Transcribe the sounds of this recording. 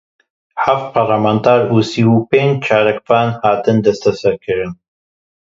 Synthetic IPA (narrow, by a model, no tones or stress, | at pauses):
ħaft̪̚pʰaɾlamant̪ʰaːɾuːsiːwuːpeːnd͡ʒt͡ʃʰaːɾɛkvaːnhaːt̪ɨnd̪ɛst̪ʰɛsɛɾkʰɨɾɨn